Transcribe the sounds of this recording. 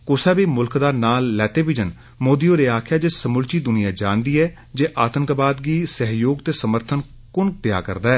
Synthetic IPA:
kʊsɛːbiːmʊlkd̪aːnaːlːɛːt̪eːbid͡ʒən | moːd̪iːoːɾeːaːkʰjaːd͡ʒeːsəmʊlt͡ʃiːd̪ʊnɪjaːd͡ʒãːnd̪iːɛː | d͡ʒeːʔaːt̪əŋkːbaːd̪ɡiːsəɦjoːɡt̪eːsəməɾt̪ʰən | kʊnk̚d̪ɪja̰ːkə̰ɾd̪aːɛː

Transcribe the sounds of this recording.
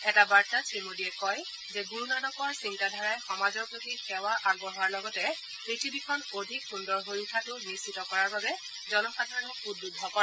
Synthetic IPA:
ɛtabaɹtatʰimodiɛkɔj | zɛɡuɹunanɔkɔaɹsintadʱaɹajxɔmazɔɹpɹotixɛwaʔaɡ̚bɔɦaɹlɔɡɔtɛ | ɹitʰibikʰɔnodʱikxundɔɹɦoɹukʰatʊbisitɔkɔɹaɹbabɛ | zɔnɔpatʰanuudːudʱːɔkɔa

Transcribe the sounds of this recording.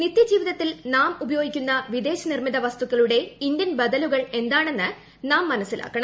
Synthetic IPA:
nit̪ːjɐd͡ʑiːʋiðɐt̪ːilnaːmubɐjo̞ːɡikʲːunːɐʋid̪e̞ːɕɐnirmiðɐʋɐst̪ukːɐɭuɽe̞ind̪jɐnbɐd̪ɐluɣɐɭe̞nd̪aːɳe̞nːɨ | naːmːɐnɐsːila̰ːkːɐɳɐ

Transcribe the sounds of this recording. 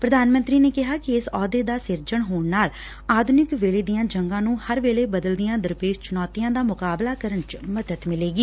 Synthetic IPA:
pɾəd̪aːnmə̃nt̪ɾiːneːkɪɦaːkɪɪsɔːd̪eːd̪aːsɪɾd͡ʒəɳɦoːɳnaːl | aːd̪nɪkʋeːleːd̪ijãːd͡ʒəŋɡãːnũːhəɾʋeːleːbəd̪əld̪ijãːd̪əɾpeːʃt͡ʃʊnɔːt̪ijãːd̪aːmʊkaːblaːkəɾəɳt͡ʃməd̪ət̪mɪleːɡiː

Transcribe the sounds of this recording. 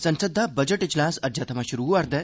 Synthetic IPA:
sənsəd̪ʱːabəd͡ʑəʈid͡ʑlaːsɐd͡ʑjat̪maɕuɾuʋaɾd̪ə

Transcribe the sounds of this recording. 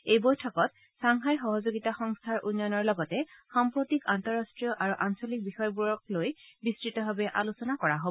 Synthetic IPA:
ejbojtʰɔkɔt | saŋɦajxɔɦɔzoɡitaxɔŋstʰaɹʔunːjɔnɔɹlɔɡɔtɛxampɹotikantɔɹastɹijɔʔaɹuʔansɔlik̚bixɔjbuɹɔk̚lojbistɹitɔɦabɛʔa̰lusɔnakɔɹaɦobɔ

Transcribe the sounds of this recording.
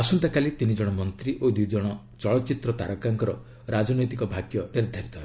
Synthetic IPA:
asɔnt̪akalit̪inid͡ʒɔɽ̃ɔmɔnt̪ɾiʔod̪ud͡ʒɔɽ̃ɔ | t͡ʃɔɭɔt͡ʃit̪ɾɔt̪a̰ɾɔkaŋkɔɾɔ | ɾad͡ʒɔnɔjt̪ikɔbʱaɡjɔniɾd̪ʱaɾit̪ɔɦe

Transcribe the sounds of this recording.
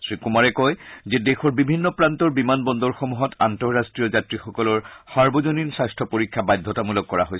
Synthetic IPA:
sɹikumaɹɛkɔjzɛdexɔɹbibʱinːɔpɹantɔɹbimanbɔnd̪ɔɹxɔmuɦɔtantɔɹːastɹijɔzatɹixɔkɔlɔɹsaɹbɔzoninsajstʰɔpoɹikʰːabajd̪ʱːɔtamulɔkːɔɹaɦojs

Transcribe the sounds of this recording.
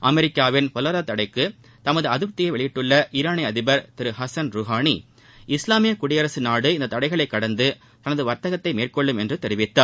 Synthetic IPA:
ʔɐmɛɾɪkːaːʋɪnpɔlɐɾɐt̪ɐɽɐɪkːɯ | t̪ɐmɐðɯɐðɯp̚t̪ːɪjɐɪʋɛɭɪjɪʈːɯɭːɐʔiɾaːnɪɐðɪbɐɾt̪ɪɾɯɦɐsɐnɾuːɦaːɳi | ɪslaːmɪjɐkʊɽɪjɐɾɐsɯnaːɽɯɪnd̪ɐt̪ːɐɽɐɪɣɐɭɐɪkːɐɽɐnd̪ɯ | t̪ɐnɐðɯʋɐɾt̪ɐɣɐt̪ːɐɪmeːrkɔɭːɯmɛndrɯt̪ɛɾɪʋɪt̪ːaːɾ

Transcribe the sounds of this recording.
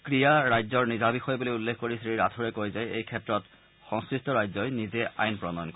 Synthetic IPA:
kɹijaɹajzɔɹnizabixɔjbulojulːekʰkoɹisɹiɹatʰuɹɛkojzajejkʰɛtɹɔt | xɔ̃ŋskɹistɔɹajzɔjnizɛa̰jnpɹɔnɔjɔnk

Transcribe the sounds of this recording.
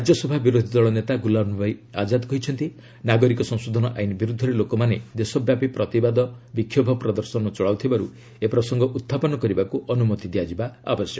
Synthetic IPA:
ad͡ʒjɔsɔbʱabiɾod̪ʱid̪ɔɭɔnet̪aɡulabnubajad͡ʒad̪kɔɦit͡ʃʰɔnt̪i | naɡɔɾikɔsɔ̃ŋsod̪ʱɔnɔ̰ʔajnibiɾud̪ʱːɔɾelokɔmaned̪esɔbjapipɾɔt̪ibad̪ɔbikʰːjɔbʱɔpɾɔd̪ɔɾsɔnɔt͡ʃɔɭawt̪ʰibaɾṵ | epɾɔsɔŋɡɔʔut̪ʰːapɔnɔkɔɾibakuʔɔnumɔt̪id̪iad͡ʒibaa̰bɔsjɔ

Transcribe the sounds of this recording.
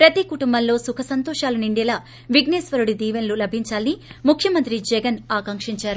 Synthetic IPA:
pɾɐt̪ikuʈumbɐnlo̞ːsukʰɐsɐnt̪ɔːʃaːluniɳɖɛːlaː | ʋiɡneːsʋɐɾuɽid̪iːʋɐnlulɐbʱiɲt͡ʃaːlɐnimukʰjɐmɐnt̪ɾid͡ʒɛɡɐnaːkɐŋkʂiɲt͡ʃaːɾu

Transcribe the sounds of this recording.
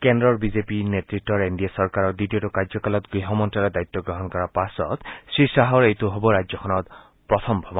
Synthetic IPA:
kɛndɹɔɹbizepinetɹitːɔɹendijasɔɹkaɹɔɹditiotʊkaɹzɔkalɔtɡiɦɔmɔntalɔdajt̪ːɔɡɹɔɦɔnkɔɹapasɔ̰tsɹisaɦɔɹejtoɦobɔɹad͡ʒzɔkʰɔnɔt | pɹɔt̪ʰɔmbʱɔbɔ

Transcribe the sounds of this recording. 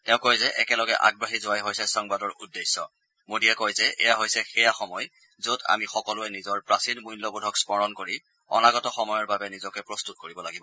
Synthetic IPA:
tɛʊ̃kojzɛʔɛkɛlɔɡɛ̰ʔa̰ɡ̚bɹaɦizowajɦojsɛsɔŋbadɔɹṵdːesːɔ̰ | modiɛkɔjzɛʔɛ̰jaɦojsɛxɛjaxɔmɔj | zoda̰mixɔkɔlʊɛnizɔɹpɹasinmujnlɔbudʱɔkspɔɹɔnkoɹi | ɔ̰naɡɔtɔxɔmɔjɔɹbabɛnizɔkɛpɹɔstut̚koɹibɔlaɡibɔ

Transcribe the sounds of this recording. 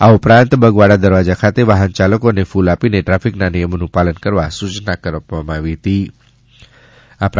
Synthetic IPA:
aupɾant̪bəɡʋaɽad̪əɾʋad͡ʒakʰat̪eʋaɦənt͡ʃaləkonefulapineʈɾafʰiknanijəmonũpalənkəɾʋasut͡ʃnakəɾʋpəmaʋit̪i | ap

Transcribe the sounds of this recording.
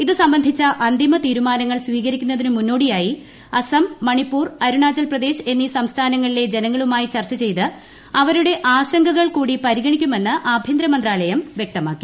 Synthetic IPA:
iðɨsɐmbɐnd̪ʱit͡ɕːɐʔɐnd̪imɐt̪iːɾumaːnɐŋːɐɭsʋiːɣɐɾikʲːunːɐðinɨmunːo̞ːɽijaːji | ɐsɐmːɐɳipːuːrɐɾuɳaːt͡ɕɐlprɐd̪e̞ːɕe̞nːisɐmst̪ʰaːnɐŋːɐɭile̞d͡ʑe̞nɐŋːɐɭumaːjit͡ɕɐrt͡ɕːɐt͡ɕe̞jt̪ɨ | ɐʋɐɾuɽe̞ʔaːɕɐŋɡɐɣɐɭkuːɽipɐɾiɣɐɳikʲːume̞nːɨʔaːbʱjind̪ɾɐmɐnd̪raːlɐjɐmʋjek̚t̪ɐmaːkːi̥

